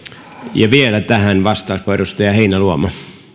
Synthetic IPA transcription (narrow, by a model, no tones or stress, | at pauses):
jɑʋielæt̪æhænʋɑst̪ɑˑuspoerust̪ɑjɑheinæluomɑ